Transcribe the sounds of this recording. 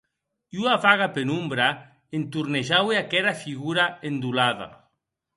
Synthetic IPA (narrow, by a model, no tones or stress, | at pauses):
juavaɣapenumbɾa | ent̪uɾneʒaweakɛɾafiɣuɾaend̪ulaða̰